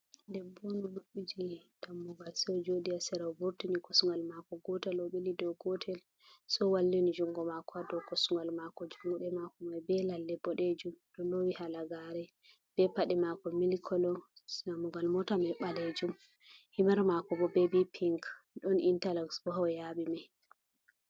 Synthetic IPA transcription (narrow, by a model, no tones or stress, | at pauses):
ndɛbɔnɔluɓid͡ʒid̥amːɔɡalsɔd͡ʒoɗiasɛɾabuɾtunikɔsuŋɡalmakɔɡɔtɛlɔɓilidɔɡɔtʰɛl | sɔwalːinid͡ʒuŋɡɔmakɔadɔkɔsuŋɡalmakɔd͡ʒuŋɡɔɗɛmakɔmajbɛlalːɛbɔɗed͡ʒumɗɔlowihalaɡaɾɛ | b̥ɛpaɗɛmakɔmilkʰɔlɔsnamuɡalmɔtamajɓaled͡ʒum | himaɾmakɔbɔbɛbipʰiŋkɗɔnintalaksbɔɦawjaɓimaj